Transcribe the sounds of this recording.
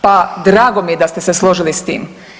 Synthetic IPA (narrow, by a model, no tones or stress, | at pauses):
pad̪ɾaːɡomijed̪ast̪eseslˠoʒilist̪ḭːm